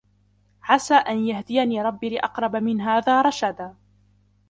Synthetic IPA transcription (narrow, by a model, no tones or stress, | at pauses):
ʕasaːʔanjahd̪ɪjaniːɾˤɑbːilɪʔɑqɾˤɑbamɪnɦaːðaːɾˤɑʃad̪a